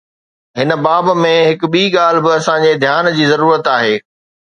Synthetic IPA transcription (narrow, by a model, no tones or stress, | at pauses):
ɦɪnə̆baːbmẽɦɪk̆ɓiːɠaːl̤bɪɐsãɲd͡ʑed̪ʱjaːnd͡ʑiːzɐɾuːɾət̪aːɦeː